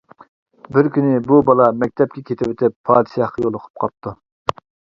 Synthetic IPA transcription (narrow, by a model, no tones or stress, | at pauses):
bɪɾkʲynɪbubɑlˠɑmɛk̚ʲt̪ʰɛp̚kʲʰɛkʲʰet̪ɪwet̪ʰɪpʰːɑːd̪ɨʃɑhqɑjolˠʊqʰʊ̥p̚qʰɑp̚t̪ʰu